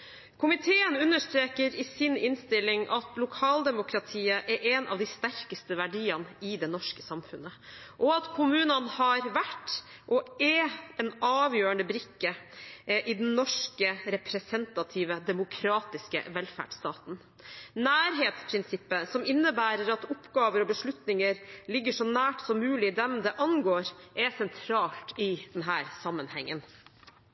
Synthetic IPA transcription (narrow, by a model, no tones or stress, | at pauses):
kʰʊmɪt̪ʰeːənʉnːəʂt̪ɾeːkəɾɪsɪnɪnst̪ɪlːɪŋʔɑt̪lʊkʰɑːld̪ɛmʊkʰɾɑt̪ʰiːəʔɛɾʔɛnʔɑ̰ʋd̪ɪst̪æɾkəst̪əʋæɖiːɑnɪd̪ɛnɔʂkəsɑmfʉ̰nːə | ʔɔɑt̪kʰʊmʉːnənhɑɾʋæʈː | ʔɔɛɛnɑːʋjøːəɳd̪əbɾɪkːə | ʔɪd̪ɛnnɔʂkəɾɛpʰɾɛsɛnt̪ɑt̪ʰiːʋəd̪ɛmʊkʰɾɑːt̪ɪskə̰ʋɛlfæ̰ːɖʂt̪ɑːt̪n̩ | næːɾɦeːt̪spʰɾɪnsɪpːəsɔmɪnːəbæːɾəɾɑt̪ʊpːɡɑːʋəɾɔbəʂɭʉt̪nɪŋəɾlɪɡːəʂɔnæːʈsɔmːʉːlɪd̪ɛmd̪ɛʔɑnɡoːɾʔɛsɛnt̪ʰɾɑːlt̪ɪd̪̥ɛnɦæːɾsɑmːənhɛ̰ŋːən